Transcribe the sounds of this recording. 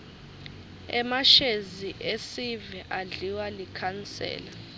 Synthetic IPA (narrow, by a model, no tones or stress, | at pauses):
ɛ̰maʃeziʔesivɛʔaɮiwalikʰant͡sʼɛ̰ːla